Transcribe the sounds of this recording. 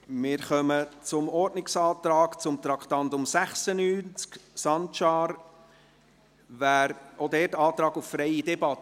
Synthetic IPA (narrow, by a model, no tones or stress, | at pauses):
mɪːɾχœmət͡sʊmɔɾdnɪksɑːt̪ɾɑːkt͡sʊmt̪ɾɑkt̪ɑntʊmsæχsənyːnt͡sksɑntt͡ʃɑːɾ | væːɾodɛːtɑːt̪ɾɑːɡuffɾɛjidɛbɑtːə